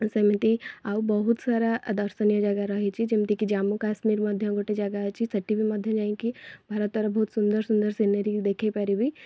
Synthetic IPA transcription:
səmit̪iaːubɐɦut̪saːɾad̪ɐɾsənijəd͡ʒaɡaɾɐɦit͡ʃʰid͡ʒɪmt̪ikid͡ʒaːmːukaːʃmiːɾmɐd̪ʱjə̃ɡoːʈed͡ʒaɡat͡ʃʰisɐʈːibʱimɐd̪ʱjə̃d͡ʒaːĩkibʱaːɾət̪̚ːɐɾɐɦbɐɦut̪sʊnd̪əɾsʊnd̪əɾsinəɾid̪eːkʰepɛɾibʱi

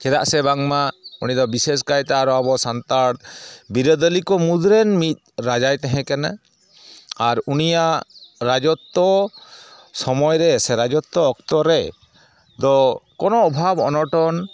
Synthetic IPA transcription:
kʰɛd̪a̰ʔsɛbaŋmaunid̪ɔbiseskajt̪aaɾɔabɔsant̪aɽbiɾəd̪ɔlikɔmud̪ɾɛnmit̪̚ˀɾad͡ʒajt̪ɛɦɛ̃kana | aɾunijaʔɾad͡ʒɔt̪ːɔ | sɔmɔjɾɛsɛɾad͡ʒɔt̪ːɔːkt̪ɔɾɛ | d̪ɔkɔnɔːbʱabɔnɔʈɔn

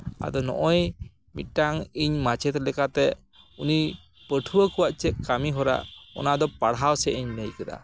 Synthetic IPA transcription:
a̰d̪ɔnɔ̰ʔɔj | mḭt̪̚ˀʈaŋiɲmat͡ʃɛt̪lɛkat̪ɛ | uni | pəʈʰuwəkuwaʔt͡ʃɛt̪̚kamiɦɔɾa̰ʔɔ̰nad̪ɔpaɽɦawsɛʔiɲnəjkəd̪a̰

